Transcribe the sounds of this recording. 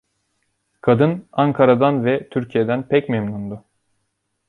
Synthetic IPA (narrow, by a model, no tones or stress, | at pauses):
kʰad̪ɯnaŋkʰaɾad̪anvɛt̪ʰyɾcʰijed̪ænpʰɛcmemnund̪u